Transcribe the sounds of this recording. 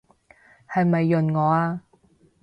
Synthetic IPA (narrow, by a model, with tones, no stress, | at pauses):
hɐ˨jmɐ˨jːɵ˨nŋɔː˨˧aː˧